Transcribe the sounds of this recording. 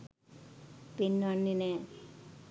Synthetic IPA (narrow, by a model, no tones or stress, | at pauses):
pinːanːine